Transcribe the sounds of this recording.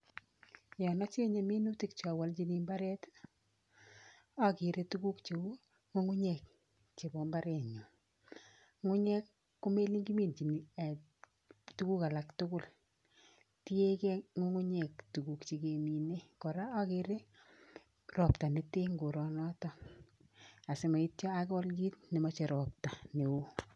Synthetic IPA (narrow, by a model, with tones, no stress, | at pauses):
jɔ˨nɔ˦t͡ʃe˦ɲe˨mi˦nu˦ti˨k̚t͡ʃa˨wa˦lt͡ʃi˦ni˦mba˦ɾɛ˦t | a˦kɪ˨ɾe˦tu˦ku˦kt͡ʃi˨wu˦ | ŋo˦ŋʊ˦ɲɛ˨k̚ | t͡ʃe˨bɔ˦mba˦ɾe˨ɲɔ˨ | ŋʊ˦ɲɛ˦kː | ʊ˦me˦li˦ŋɡi˦mi˦nt͡ʃi˨ni˨ | tu˦ku˦ka˨la˨ktʊ˦kʊ˦˨l | ti˦e˦ke˦ŋo˦ŋu˦ɲɛ˨ktu˨ku˨kt͡ʃi˨ke˨mi˨ne˦kɔ˨ɾa˦a˦kɪ˨ɾe˦ | rɔ˨pta˨ne˨˦te˦ŋɡo˨ɾɔ˨nɔ˦tɔ˦ | a˨se˨˦ma˨i˦tjɔ˦a˦kɔ˦lɡi˦tne˨mɔ˦t͡ʃe˨ɾɔ˨p̚ta˨ne˨wu˦